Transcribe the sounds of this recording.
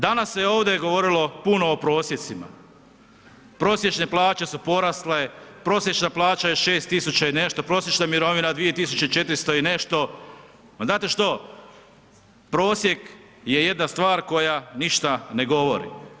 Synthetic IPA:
d̪anasːeo̞ːʋd̪ejɡo̞ʋo̞ɾilo̞puno̞ːpɾo̞ːsjet̪sima̰ | pɾo̞sje̞t͡ʃne̞plˠaːt͡ʃe̞supo̞ɾasle̞pɾo̞sjet͡ʃnaplˠaːt͡ʃajeʃe̞ːst̪ːisut͡ɕaine̞ʃt̪o̞pɾo̞ːs̬ʲje̞t͡ʃnamiɾo̞ʋinad̪ʋije̞t̪isut͡ʃeit͡ʃe̞t̪ɾist̪o̞ine̞ʃt̪o̞ | maznaːt̪e̞ʃt̪o̞ | pɾo̞ːsje̞k | je̞je̞d̪nast̪ʋaːɾko̞janiʃt̪ane̞ɡo̞ʋo̞ɾḭ

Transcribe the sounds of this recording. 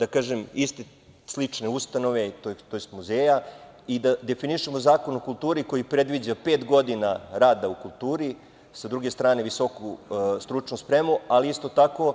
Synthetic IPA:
d̪akaːʒemist̪e | slit͡ʂneust̪ano̞ʋe̞t̪ot̪ojest̪muzeːja | id̪ad̪e̞finiʃemo̞zaːko̞nokulˠt̪uːɾiko̞jipɾe̞d̪ʋid͡ʑape̞ːt̪ɡo̞d̪inaɾaːd̪aukulˠt̪uːɾi | sad̪ɾuɡe̞st̪ɾaːne̞ʋiso̞kust̪ɾut͡ʃnuspɾemualiist̪o̞t̪ako̞

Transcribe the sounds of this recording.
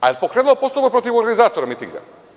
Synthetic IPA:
apokɾɛnulˠpost̪obapɾɔt̪ifɔɾɡanizat̪oɾamit̪ḭŋɡa̰

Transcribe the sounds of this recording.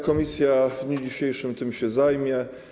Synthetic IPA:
kɔmʲisʲjavd̪ɲud͡ʑiɕejʂɘmt̪ɘmɕɛzajmʲjɛ

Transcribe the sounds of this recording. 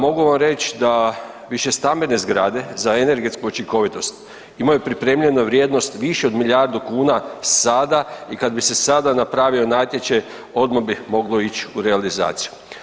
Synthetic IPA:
mo̞ɡuʋamɾe̞t͡ʃd̪a | ʋiʃe̞st̪ambe̞ne̞zɡɾa̰d̪e̞zaene̞ɾɡe̞t̪skuot͡ʃiŋko̞ʋit̪o̞st̪ | imajupɾipɾe̞ːmʎe̞noʋɾjed̪no̞st̪ʋiʃeo̞d̪miʎjaɾd̪ukuːnasad̪aikad̪bise̞sad̪anapɾaʋio̞naːt̪je̞t͡ʃa | o̞d̪mabimo̞ɡlˠo̞it͡ʃuɾealiza̰ːt̪si̥ju

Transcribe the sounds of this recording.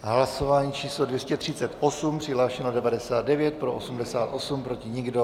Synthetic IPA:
ɦlaso̞vaːɲiːt͡ʃiːslodvjɛscɛt̪r̝̥ɪt͡sɛt̪ʔosumpr̥ɪɦlaːʃɛnodɛvadɛsaːd̪̚dɛvjɛt̪̚pɾoʔosumdɛsaːt̪ʔo̞sumpɾo̞cɪɲɪɡdo̞

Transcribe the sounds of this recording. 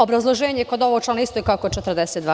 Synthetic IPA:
o̞bɾazlˠoʒeːɲekod̪o̞ʋoɡt͡ʃlanist̪oikaoko̥t͡ʃet̪ɾd̪eset̪d̪ʋa

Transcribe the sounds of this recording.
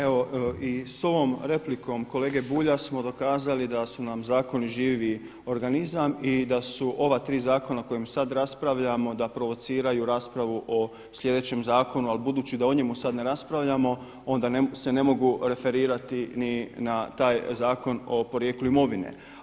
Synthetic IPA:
e̞ʋo̞iso̞ʋo̞ːmɾe̞pliko̞mko̞le̞ːɡe̞buːʎasmo̞d̪o̞kaːzalid̪asunamzaːko̞niʒiːʋi | o̞ɾɡanizamid̪asuʔo̞ʋat̪ɾiːzaːko̞nako̞jemsad̪ɾaspɾaʋʎamo̞d̪apɾo̞ʋo̞t̪siːɾajuɾaːspɾaʋuʔo̞ | sʎʲje̞d̪e̞t͡ɕe̞mzaːko̞nualbud̪uːt͡ɕid̪aoɲemusad̪ne̞ɾaspɾaʋʎamo̞ | o̞nd̪anse̞nemo̞ɡuɾe̞fe̞ɾiːɾat̪ininat̪aːjzaːko̞no̞po̞ɾjeːkluimo̞ʋinḛ

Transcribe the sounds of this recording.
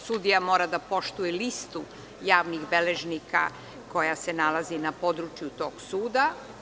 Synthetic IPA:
sud̪ijamo̞ːɾad̪apo̞ʃt̪ujelist̪u | jaːʋniɣbe̞leʒnikʰa̰ | ko̞jasenalazinapo̞d̪ɾut͡ʃjut̪o̞ːɡsuːd̪a

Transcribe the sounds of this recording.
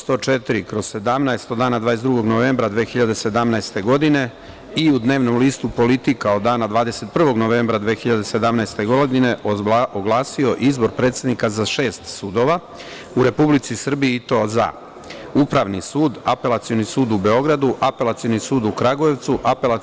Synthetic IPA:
st̪o̞t͡ʃet̪iɾikɾo̞zse̞d̪amnaest̪od̪aːnad̪vaːesd̪ɾuɡo̞ɡnoʋe̞ːmbɾad̪ʋeːxiʎad̪e̞se̞d̪amnast̪e̞ɡo̞d̪ine̞ | iud̪ne̞ːʋno̞mliːst̪upo̞lit̪ikaod̪ːaːnad̪ʋaːd̪ese̞t̪̚pr̩ʋo̞ɡno̞ʋe̞ːmbɾad̪ʋeːxiʎad̪ese̞d̪amnajst̪e̞ɡod̪ine̞oɡlˠaːsio̞ʔizbo̞ɾpɾe̞ːt̪sed̪nikazaʃe̞ːst̪suːd̪o̞ʋa | uɾe̞publit̪sisr̩bijiit̪o̞za̰ | upɾaʋnisuːd̪ape̞lat̪sijo̞nisuːd̪ubeo̞ɡɾad̪uʔape̞lˠat̪sijo̞nisuːd̪ukɾaɡojeʋt̪suʔapela

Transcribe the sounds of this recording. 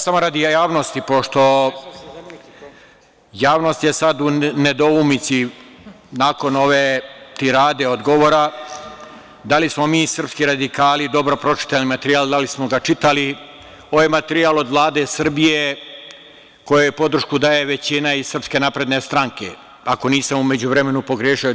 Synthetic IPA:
samo̞ɾad̪ijjaːʋnost̪ipo̞ʃt̪o̞ | jaːʋno̞ːst̪jesad̪une̞d̪oumit̪si | naːko̞no̞ʋe̞t̪iɾaːd̪e̞od̪ɡoʋoːɾa | d̪alismo̞miːsr̩pskiɾad̪ikaːlid̪o̞bɾo̞pɾo̞t͡ʃi̥t̪alimat̪eɾiaːld̪alismo̞ɡat͡ʃit̪ali | o̞ʋajmat̪eɾialˠo̞d̪ʋlˠaːd̪e̞sr̩bije | ko̞jojepo̞d̪r̩ʃkud̪aːje̞ʋe̞t͡ɕinaisrpske̞napɾe̞d̪ne̞st̪ɾaŋke̞̰ | ako̞niːsamume̞d͡ʑuʋɾe̞me̞nupo̞ɡɾeʃio

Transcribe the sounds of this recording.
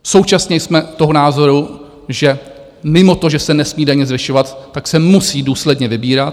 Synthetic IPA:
sowt͡ʃasɲɛjsmɛt̪oɦonaːzo̞ɾu | ʒɛ | mɪmo̞t̪o̞ʒɛsɛnɛsmiːdaɲɛzvɪʃovat̪ːaksɛmusiːduːslɛdɲɛvɪbiːɾat̪

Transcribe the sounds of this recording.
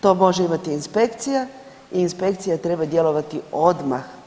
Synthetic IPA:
t̪o̞ːmo̞ʒeimat̪iːnspe̞kt̪sija | iːnspe̞kt̪sijat̪ɾe̞bad̪je̞lo̞ʋat̪io̞d̪max

